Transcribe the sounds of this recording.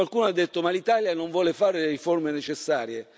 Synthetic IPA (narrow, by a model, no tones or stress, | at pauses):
alkuːnoad̪ːet̪ːomalit̪aːljanoɱvwɔːlefaːɾeleɾiformenet͡ʃesːaːɾje